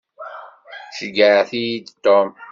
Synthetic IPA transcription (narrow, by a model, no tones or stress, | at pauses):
ʃəɡəʕθijid̪t̪ːom